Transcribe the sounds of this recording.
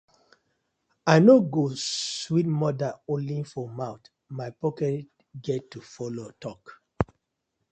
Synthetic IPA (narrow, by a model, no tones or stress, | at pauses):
aɪnoɡoswitmɔdãolĩnfɔmãʊt | maɪpɔkɛt | ɡɛtːufɔlotɔk